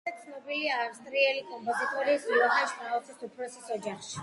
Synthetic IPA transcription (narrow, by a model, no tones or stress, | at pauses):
at̪sʰnɔbiliavst̪ʼɾiɛlikʼɔmpʼɔzit̪ʼɔɾiːsulɔkaʃkaɔsʰit̪ʰupʰɾɔsisɔd͡ʒaχʃi̥